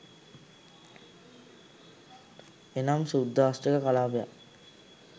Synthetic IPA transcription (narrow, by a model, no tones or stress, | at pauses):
enamsud̪ːaːsʈəkəkalaːpeja̰